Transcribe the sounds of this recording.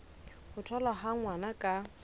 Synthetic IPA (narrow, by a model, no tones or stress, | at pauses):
hʊtʰɔlaɦaŋwanakʼa